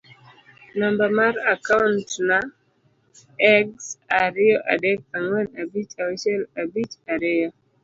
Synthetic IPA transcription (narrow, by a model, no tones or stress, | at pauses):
nambamaɾakaʊntna | ɛɡsaɾɪɔʔa̰dɛk̚aŋwɛnabit͡ʃawiʃɛlabit͡ʃaɾɪɔ